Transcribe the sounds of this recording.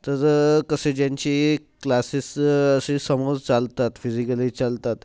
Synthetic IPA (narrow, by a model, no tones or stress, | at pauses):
t̪əɾkəsed͡ʑaɲt͡ɕi | klasisəsesəmod͡zt͡salt̪at̪fizikəlit͡salt̪at̪